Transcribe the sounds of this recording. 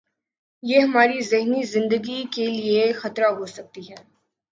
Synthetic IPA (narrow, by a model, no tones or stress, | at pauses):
jeɦɐmaːɾizɪɦnizɪ̃nd̪əɡikeliexɐt̪ɾaɦosɐk̚t̪iɦɛː